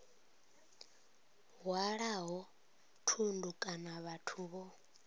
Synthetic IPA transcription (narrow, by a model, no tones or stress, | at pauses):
ɦwaɺaɦɔ | tʰundukʼanaβatʰuːβɔ